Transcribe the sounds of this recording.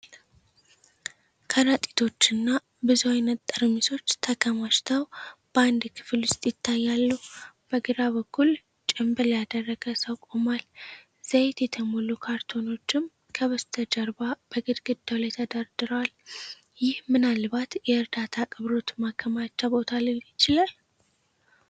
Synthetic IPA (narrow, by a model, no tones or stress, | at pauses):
kʰəɾat̪ʼi̥t̪ʰo̞t͡ʃːɪnːa | bɨzuwajnːət̪ʼːəɾmisʰo̞t͡ʃːt̪ʰəkʰəmaʃt̪ʰəwb̥and̪kʰɨ̥fɨlwʊst̪ʼjɪt̪ʰːajːalːuhub̥əɡɨɾaβəkʰːul | t͡ʃʼɪmbɨljad̪ərːəɡəsəwkʼomal | z̥əjt̪jɛt̪ʰəmolukʰaɾt̪ʰo̞no̞t͡ʃːɪm | kʰəβəst̪ʰəd͡ʒəɾbab̥əɡɨd̪ɡɨd̪ːawlajt̪ʰəd̪aɾd̪ɨɾəwal | jɪhmɨnalbat̪jɛɨɾd̪at̪ʰakʼɨβɾo̞t̪makʰːəmat͡ʃːabo̞t̪ʰalɨjɪt͡ʃɪlal